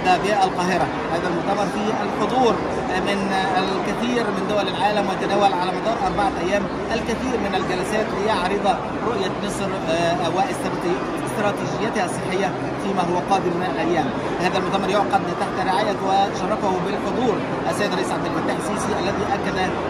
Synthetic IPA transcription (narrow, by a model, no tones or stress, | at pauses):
d̪æʕbɪjaːʔælqɑːɦɪɾɑ | hæːðælmʊʔt̪æmɑɾˤfiːʔælħod̪ˤuːɾ | mɪnælkɪθiːɾmɪnd̪ʊwælɪlʕaːlæmwɪt̪æd̪æːwælʕalæːmɑd̪ˤɑːɾʔɑɾˤbɑʕalʔæjːæːm | ʔælkɪθiːɾmɪnæld͡ʒælæsæːt̪lɪjɑʕɾɨd̪ˤɑ | ɾoʔjamɨsˤɾ | wɪ | st̪ɾˤɑːt̪iːd͡ʒɪjːæt̪hæɑsˤːeħːɪjːæ | fiːmæːɦʊwːæqɑːd̪ɪmːɪnælʔæjːæːm | hæːðælmʊʔt̪æmɑɾjoʕqɑd̪t̪aħt̪aɾɪʕaːjawɪt̪ḁʃɑrˤːɑkʊhbɪlħod̪ˤuːɾ | ʔæsːæjɪd̪ɾˤɑʔiːsʕab̚d̪ɪlfæt̪ːaːħɪsiːsiʔælːæðiːʔækːæd̪æ